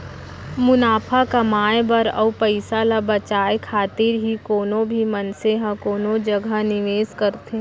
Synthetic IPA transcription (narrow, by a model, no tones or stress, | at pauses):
mʊnaːpʰakɐmaːebɐɾɐ̰upəɪsalabɐt͡ʃaːekʰaːt̪ɪɾɦikoːnõbʱimɐnseɦãkoːnod͡ʒɐɡʱənɪʋeːskɐɾt̪e